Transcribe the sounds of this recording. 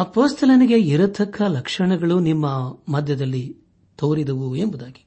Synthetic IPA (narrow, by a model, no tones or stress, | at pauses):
ɐpoːst̪ʰɐlɐniɡe̞iɾɐt̪ʰɐkʰːɐlɐkʂɐɳɐɡɐɭunimːɐmɐd̪ʱjɐd̪ɐlːi | t̪oːɾid̪ɐʋuembud̪aːɡi̥